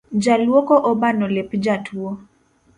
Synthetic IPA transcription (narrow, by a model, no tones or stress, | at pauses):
d͡ʒalwɔkɔʔɔbanɔlepd͡ʒatwo